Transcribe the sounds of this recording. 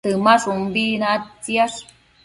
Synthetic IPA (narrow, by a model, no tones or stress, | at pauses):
t̪əmaʂumbinaatt͡siaʂ